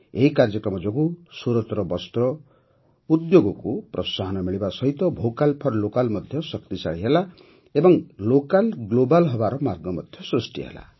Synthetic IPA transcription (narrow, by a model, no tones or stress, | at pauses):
eɦikaɾd͡ʒʌkɾɔmɔd͡ʒɔkusuɾɔt̪ɾɔbɔst̪ɾɔ | ud̪joɡɔkupɾɔsaɦɔnɔmiɭibasʌɦit̪ɔbʱokalpʰɔɾlokalmʌd̪ʱjʌsʌkt̪isa̰ɭiɦela | ebɔŋlokalɡlobalɦɔbaɾɔmaɾɡɔmɔd̪ʱjɔsɾusʈiɦḛla̰